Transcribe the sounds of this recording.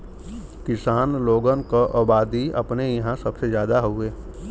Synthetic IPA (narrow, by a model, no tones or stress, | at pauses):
kɪsaːnloːɡənkoʔəbaːd̪iɐ̰pnejɐɦãsɐbsezjaːd̪aɦoeː